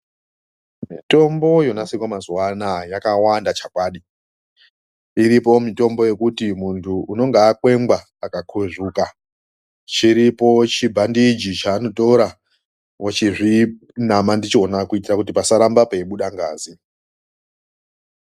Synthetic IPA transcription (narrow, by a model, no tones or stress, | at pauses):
mito̞mbo̞jo̞nasekwamazuwanajakawandat͡ʃakwaːɗi | iɾipo̞mito̞mbo̞je̞kutimuntʰuuno̞ŋɡaːkwe̞ŋɡwa | akakʰweʐuːka | t͡ʃiɾipo̞t͡ʃibʱandid͡ʒit͡ʃaːno̞toɾa | wot͡ʃiʐi | namandit͡ʃionakuitirakutipasaɾambapeiɓuɗaŋɡaːzi